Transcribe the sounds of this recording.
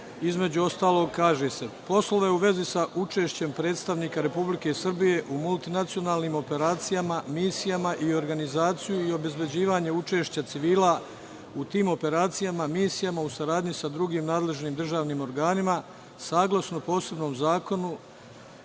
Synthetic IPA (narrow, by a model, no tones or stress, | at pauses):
izme̞d͡ʑuo̞st̪aːlˠo̞ɡkaːʒe̞se̞po̞slo̞ʋe̞uʋe̞zisaʔut͡ʃeːʃt͡ɕe̞mpɾe̞ːt̪st̪aʋniːkaɾe̞publike̞sr̩bije̞ʔumulˠt̪inat̪sio̞naːlˠniːmo̞pe̞ɾaːt̪sijamamiːsijamaʔio̞ɾɡanizaːt̪sijuio̞be̞zbe̞d͡ʑiːʋaːɲe̞ut͡ʃe̞ːʃt͡ɕat̪siʋiːla | ut̪iːmo̞pe̞ɾaːt̪sijamamiːsijamausaɾaːd̪ɲisad̪ɾuɡiːmnaːd̪le̞ʒniːmd̪r̩ʒaːʋniːmo̞ɾɡaːnima | saːɡlˠasnopo̞ːse̞bnoːmzaːko̞nu